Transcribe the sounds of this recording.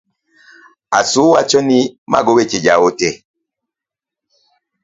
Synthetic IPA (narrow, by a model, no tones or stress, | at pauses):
a̰suwat͡ʃɔnima̰ɡowet͡ʃed͡ʒawotɛ